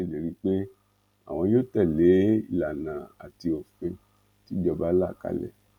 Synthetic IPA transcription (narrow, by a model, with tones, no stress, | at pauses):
le˨ɾi˧˦k͡pe˦ | a̰˨w̃ɔ̃˧jo˦tɛ˦˨le˨˦i˦˨la˨nã˨a˨ti˧o˨fẽ˧ | ti˦d͡ʒɔ˧ba˦la˦˨ka̰˧lɛ̰˦˨